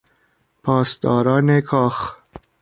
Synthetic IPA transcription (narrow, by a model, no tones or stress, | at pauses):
pʰɒːst̪ɒːɾɒːnekʰɒːx